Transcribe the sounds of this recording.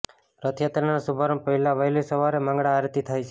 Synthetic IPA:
ɾət̪ʰjat̪ɾənasubʱaɾə̃mpəɦilaʋəɦjlisəʋaɾemãŋɡɽaːɾt̪it̪ʰajt͡ʃʰe

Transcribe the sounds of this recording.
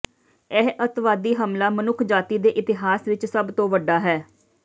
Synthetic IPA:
ɛɦʔət̪ʋaːd̪iːɦəmlaːmənʊkʰd͡ʒaːt̪iːd̪eːʔɪt̪ɪɦaːsʋɪt͡ʃsəbt̪õːʋəɖaːɦɛː

